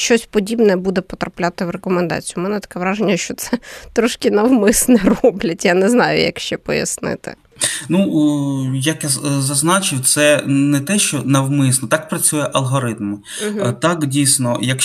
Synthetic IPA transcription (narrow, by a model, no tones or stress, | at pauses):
ʃt͡ʃɔsʲpɔdʲibnɛbud̪ɛpɔt̪ɾɐplʲat̪ɪwrekɔmend̪ɑ̰t͡sʲijʊmɛnɛt̪ɐ̥kɛʋɾɑʒenʲːɐʃt͡ʃɔt̪sɛt̪ɾɔʃkɪnɐwmɪsnɛrɔblʲɐtʲjanɛznɑjʊ̰jɐ̰kʃt͡ʃɛpɔjɐ̰snɪ̰t̪ɪ̰ | nu | jɐkjazɐznɑt͡ʃɪwt̪sɛnɛt̪ɛʃt͡ʃɔnɐwmɪsnɔt̪ɑk̚pɾɐt͡sʲujɛʔɐlˠɦɔɾɪt̪̚m | t̪ɑkdʲijsʲnɔjɐk